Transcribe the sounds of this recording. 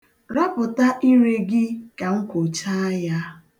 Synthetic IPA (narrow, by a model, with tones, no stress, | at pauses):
ɾa˦pʊ˨ta˦ʔi˦ɾe˦ɡɪ˦ka˨ŋ̩˦kʷo˨t͡ʃa˦ja˦